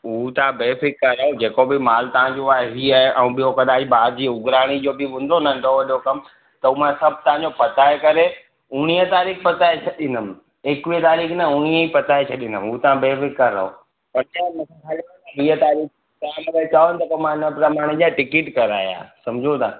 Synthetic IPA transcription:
ut̪ɐʋãbeːfɪkːɐɾɐɦod͡ʑeːkobɪmaːlt̪ɐʋãd͡ʑoaːɦeɦiːaɦeʔɛ̃ũɓijokɐd̪aːd͡ʑbaːɾd͡ʑiːʊɡɾaːɽ̃id͡ʑoːbɪʋʊ̃ːn̆d̪onɐ̃ɪ̃ɖoʋɐɗokɐm | t̪ɐumãsɐb̚ʱt̪ɐʋ̤ãɲd͡ʑopɐt̪aːekɐɾe | ʊɽ̃iət̪aːɾiːxpɐt̪aːet͡ɕʰɐɗɪnəm | eːkʋiət̪aːɾiːknɐʊɽ̃iəipɐt̪aːet͡ɕʰɐɗɪnəmɦut̪ɐʋ̤ãbeːfɪkːɐɾɐ̰ɦo̰ | pɐɾtãːmɐ̃kʰãkʰali | ɐɦiət̪aːɾiːk | kaːmʋet͡ɕaːonɪ̆t̪ɐkomãɪnəpɾɐmaːɽ̃id͡ʑaːʈɪkɪʈkɐɾa̰ːja̰ːsɐmd͡ʑʱot̪ʰaː

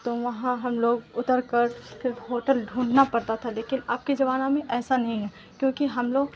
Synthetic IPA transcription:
t̪oʋɐɦãɦɐmloːɡʊt̪əɾkəɾɦoːʈəlɖʱũːɳɖnapɐɽt̪at̪ʰaleːkɪnaːp̚ked͡ʒɐʋaːnõmẽʔɛːsanɐɦĩɦɛ | kjõːkiɦɐmloːɡ̚

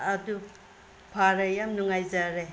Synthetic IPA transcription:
ɐdu | pʰaɾɐjamnuŋajzaɾe

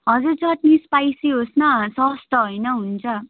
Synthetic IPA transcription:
ɦʌd͡zurt͡sʌʈnispajsiɦosnʌsʌst̪ʌɦojnʌɦunt͡sʰʌ

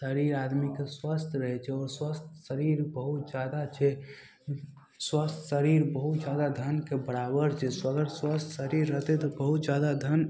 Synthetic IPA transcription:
səɾiɾad̪mikeswəst̪ʰɾəɦɛt͡ʃʰɛɔːɾswəst̪ʰsəɾiɾbəɦut̪d͡ʒad̪at͡ʃʰɛ | swəst̪ʰsəɾiɾbəɦut̪d͡ʒad̪ad̪ʱənkebəɽabəɾt͡ʃʰɛswəɡəɾswəst̪ʰsəɾiɾːəɦt̪ɛt̪ɔbəɦut̪d͡ʒad̪ad̪ʱən

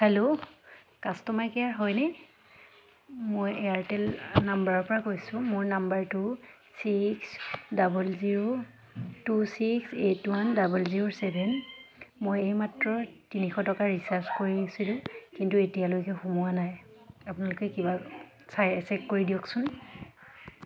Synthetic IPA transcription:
hɛlo | kastɔmajkɛjaɹɦɔjnɛ | mojeaɹtɛlnambaɹɔɹpɔɹakojsʊ̃mʊɹnambaɹtu | siksdabɔlziɹo | tusiksetwandabulziɹosɛbʱɛnmojejmatɹɔtinixɔtɔkaɹisaɹskoɹisilʊ̃kintuetijalojkɛxumuwanajapʊnalʊkɛkiba | sajɛsɛkkːoɹidijɔksʊn

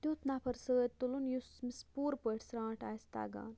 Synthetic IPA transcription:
t̪juːt̪naːpʰɐɾsəːt̪t̪ulunjusmispuːɾpəʈʰsɾãːʈaːjst̪a̰ːɡa̰ːn

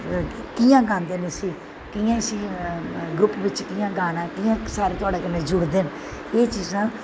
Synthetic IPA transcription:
kiːjãːɡãːnd̪eːneːsiː | kiːãːsiːɡɾʊpʋɪt͡ʃkiːjãːɡaːnãːkiːãːsaːɾeːt̪ʊaːɖeːkənẽːd͡ʒʊɽd̪eːn | eːt͡ʃiːzãː

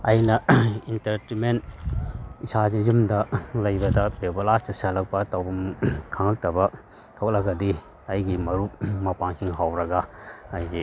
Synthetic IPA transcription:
ɐjnɐintɐɾtiment | isazizumdɐlɐjbɐdɐpewbɐlastɐsalɐk̚pɐtawbɐmkʰaŋɐk̚tɐbɐ | tʰok̚lɐɡɐdi | ɐjɡimɐɾumɐpaŋsiŋɦawɾɐɡaːjɡi

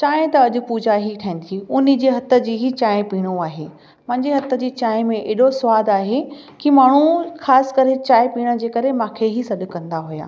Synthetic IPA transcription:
t͡ɕaːɪ̃t̪ɐɐʄʊ̆puːd͡ʑʱaɦiʈʰaĩːnt̪ʰjiʊnĭd͡ʑeːɦɐt̪ə̆d͡ʑiːɦit͡ɕaːɪ̃piːɽ̃oaːɦeː | mɐ̃ɦɪ̃ɲd͡ʑeɦɐt̪ə̆d͡ʑiːt͡ɕaːɪ̃mẽʔeːɗosʋaːd̪aːɦe | kimaːɳ̤uxaːsɪ̥kɐɾet͡ɕaːɪpiːɽ̃ə̆d͡ʑeːkɐɾemãːkʰeɦisɐɗ̆kɐ̃nd̪aɦʊja̰ː

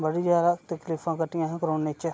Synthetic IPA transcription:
bəɽiːd͡ʒjaːd̪aːt̪əkliːfʰãːkəʈːɪjãːɦkɾoːnet͡ʃ

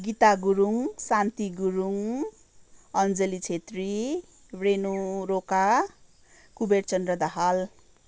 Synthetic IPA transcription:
ɡit̪aɡuɾuŋsant̪iɡuɾuŋ | ʌnd͡zelit͡sʰet̪ri | brenuɾoka | kubert͡sʌnd̪rʌd̪ʌɦal

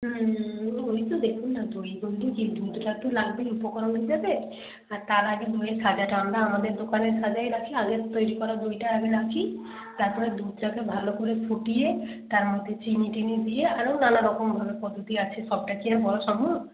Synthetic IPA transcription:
oit̪ud̪ekʰunnad̪oibold̪ukid̪ujd̪ʈat̪ulaɡbeupɔkɔɾɔnid͡ʒabe | aɾt̪aɾaɡid̪ujesad͡ʒaʈaamɾaamad̪eɾd̪okaneɾsʰad͡ʒajɾakʰiaɡett̪ojɾikɔɾad̪ojʈaɦɛbenakʰi | t̪aɾpɔɾed̪ud̪ʈakebʱalokuɾefʰuʈie | t̪aɾmod̪ʱːet͡ɕiniʈinid̪ijeaɾownanaɾɔkombʱabepɔd̪ʱut̪iat͡ʃʰiʃɔb̚ʈakiaɾbɔɾoʃɔmo

